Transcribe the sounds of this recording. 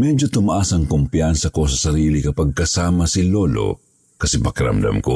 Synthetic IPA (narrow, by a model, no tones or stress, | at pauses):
mɛd͡ʒot̪ʊmaʔasɐŋkʊmpjansɐko̞sɐsɐɾiːlikɐpɐɡ̚kɐsaːmɐsɪloːlo̰ | kɐsɛpɐkɪɾɐ̰md̪a̰mko